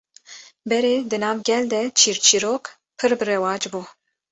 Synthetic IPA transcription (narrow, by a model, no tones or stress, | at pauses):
bɛɾeːd̪ɨnɑːvɡʲɛld̪ɛt͡ʃʰiːɾt͡ʃʰiɾoːk | pʰɨɾbɨɾɛwɑːd͡ʒbuː